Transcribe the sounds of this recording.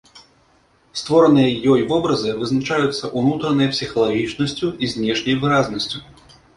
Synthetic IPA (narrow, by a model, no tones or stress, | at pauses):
st̪vɔɾɐnɨjɐjɔjvɔbɾɐzɨvɨznat͡ʂajut̪sːɐʔunut̪ɾɐnɨjɐpsʲixɐlˠaɣʲit͡ʂnɐsʲt͡sʲuizʲnʲɛʂnʲɐjvɨɾaznɐsʲt͡sʲu